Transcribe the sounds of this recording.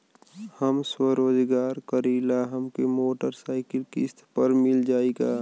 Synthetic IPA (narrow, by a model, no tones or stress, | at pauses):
həmswəɾoːd͡ʒɡaːɾkəɾiːlaɦəmkemoːʈəɾsaːɪkɪlkist̪ʰpəɾmɪld͡ʒaːeɡaː